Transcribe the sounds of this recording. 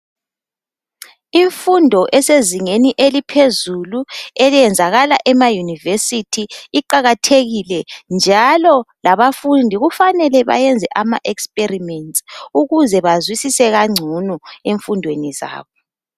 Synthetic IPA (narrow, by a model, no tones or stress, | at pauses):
iɱfundʱɔʔɛseziŋeniʔelipʰezuluɛljɛnd͡zʱaɣalaʔɛmajunivesitʰiiǃaɣatʰeɣilɛnd͡ʒʱalɔlaβafundʱiɣufanɛlɛβa̰jɛnd͡zʱɛ̰ʔama̰ʔɛkspʼerimɛntsʼuɣuzɛβazwisisɛɣaŋ͡ǀʱunueɱfundʱweniza̰ːβɔ